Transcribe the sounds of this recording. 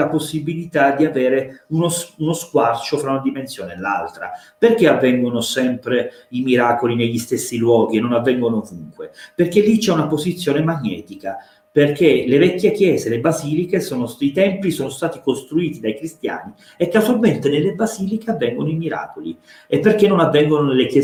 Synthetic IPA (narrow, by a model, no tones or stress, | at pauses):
aposːibilit̪ad̪iaveːɾeunosunoskwart͡ʃofɾaunad̪imensjoːnela̰lt̪ɾa̰ | perkeavːɛŋɡonosɛmpɾe | imiɾaːkolineʎːist̪esːilwɔːɡienːonavːɛŋɡonoːvuŋkweperkelːit͡ʃɛunapozit̪sːjoːnemaɲːɛ̰ːt̪ika | perkelevɛkʲːjek̟jɛːzelebaziːlikesoːnosit̪ɛmpisoːnost̪aːt̪ikost̪ɾuiːt̪id̪ajkɾist̪ja̰ːni | ekːazualment̪enelːebaziːlikeavːɛŋɡonoimiɾa̰ːkolḭ | epːerk̟enːonavːɛŋɡononelekɛ